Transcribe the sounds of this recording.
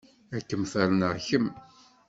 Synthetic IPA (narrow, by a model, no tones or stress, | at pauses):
ækːəmfælənəʁçəm